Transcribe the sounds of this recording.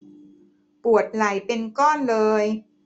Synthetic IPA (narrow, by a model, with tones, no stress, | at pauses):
pu˨˩ət̪̚la˩˦jpe˧nkɔː˥˩nlɤː˧j